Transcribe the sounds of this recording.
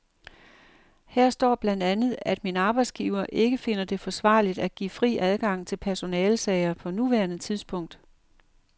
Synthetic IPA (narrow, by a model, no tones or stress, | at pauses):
hæɐ̰sd̥ɒ̰ːb̥lænd̥ænð̩ˠæd̥minəɑ̈ːb̥ɑ̈ɪd̥sɡ̥iːʊɐʔe̝ɡ̥əfe̝nɐd̥e̝fɒ̽sʋɑ̰̈ːlid̥æɡ̥ḭːfʁḭːʔæð̞ˠɡ̥ɑ̈ŋ̰t͡sʰe̝lpʰæɐso̝nɛːlsɛɪɐpʰɒ̽nuʋæɐnət͡sʰið̞ˠsb̥ʰɔ̽ŋ̰d̥